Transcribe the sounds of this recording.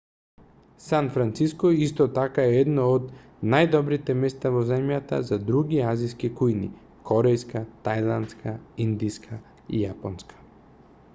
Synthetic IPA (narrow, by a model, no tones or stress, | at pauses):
sanfɾant̪siskɔist̪ɔt̪akaɛɛd̪nɔod̪ | najd̪ɔbɾit̪ɛmɛst̪avɔzɛmjat̪a̰zad̪ɾuɡiaziskikujnḭ | kʰɔɾɛjskat̪ajlˠant̪skʰaind̪iskʰa | ḭjapɔnskʰḁ